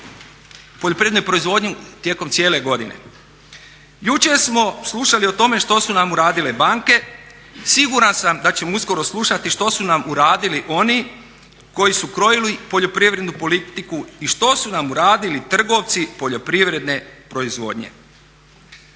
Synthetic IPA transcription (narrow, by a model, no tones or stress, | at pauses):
poʎopɾiʋed̪nojpɾo̞izʋo̞d̪ɲit̪je̞ko̞mt̪sjeːle̞ɡo̞d̪ine̞̰ | jut͡ʃeɾsmo̞slˠuʃalio̞t̪o̞me̞ʃt̪o̞sunamuɾaːd̪ile̞baŋke̞ | siɡuɾansamd̪at͡ɕe̞mousko̞ɾo̞slˠuʃat̪iʃt̪o̞sunamuɾaːd̪iliʔo̞ni | ko̞jisukɾo̞jilipo̞ʎo̞pɾiʋɾed̪nupo̞lit̪ikuiʃt̪o̞sunamuɾaːd̪ilit̪r̩ɡo̞ʋt̪sipoʎo̞pɾiʋɾe̞d̪ne̞pɾo̞izʋo̞̰ːd̪ɲḛ